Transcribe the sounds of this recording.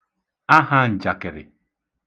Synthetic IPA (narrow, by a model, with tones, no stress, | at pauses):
a˦ɦa˦n̩˨d͡ʒa˨kɪ˨ɾɪ̰˨